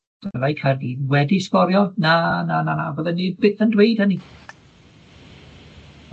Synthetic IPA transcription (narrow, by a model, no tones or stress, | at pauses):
d̥lajkʰarɡiwɛdispɔɾjɔnanananavɔðɛnibɪəndwejd̥həni